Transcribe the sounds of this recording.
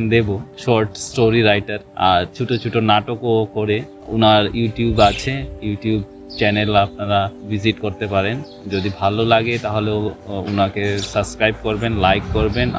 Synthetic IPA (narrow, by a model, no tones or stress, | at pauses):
d̪eboʃoɾʈsʈoɾiɾajʈaɾa̰ɾt͡ɕʰuʈʰot͡ɕʰuʈʰonaʈokokoɾe | ṵnaɾjuʈijubat͡ɕʰejuʈiub | t͡ɕɛnelapnaɾabiziʈkoɾt̪epaɾen | d͡ʑod̪ibʱalolaɡet̪aɦoleounakesəbskɾajb̚koɾbenlajkːoɾben